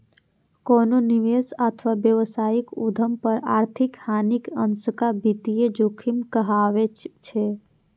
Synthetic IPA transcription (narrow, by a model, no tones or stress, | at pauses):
kononiʋesət̪ʰəʋabjəʋsaikṵd̪ʱəmpəɾaɾt̪ʰikhanikənsəkabit̪ijed͡ʒokʰimkəɦaʋet͡ʃʰɛ